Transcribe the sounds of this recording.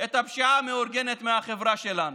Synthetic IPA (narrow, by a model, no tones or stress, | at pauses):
et̪hapʃaʕameoɾɡenet̪meaχevʁaʃelanu